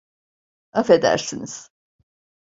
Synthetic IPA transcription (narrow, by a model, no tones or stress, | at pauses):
afe̞d̪æ̰ɾsiniz̥